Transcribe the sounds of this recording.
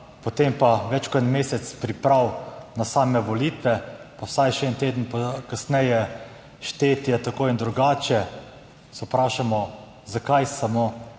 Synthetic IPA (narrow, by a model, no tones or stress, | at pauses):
pɔt̪empaʋɛt͡ʃkɔt̪meːsɛt̪spɾipɾawnasaːmɛʋɔliːt̪ʋɛpawsajʃɛɛnt̪eːd̪ənpɔkasnɛjɛ | ʃt̪eːt̪ijat̪akoːind̪ɾuɡaːt͡ʃɛ | sɛpɾaːʃamɔ | zakajsamo